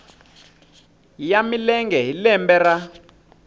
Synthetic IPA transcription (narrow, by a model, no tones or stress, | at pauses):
jamilɛŋɡɛɦilɛmbɛra